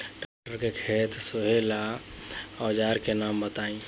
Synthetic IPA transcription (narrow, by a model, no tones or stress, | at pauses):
ɖak̚ʈəɾkekʰeːt̪soɦela | ɔːd͡ʒaːɾkenaːmbət̪aːĩ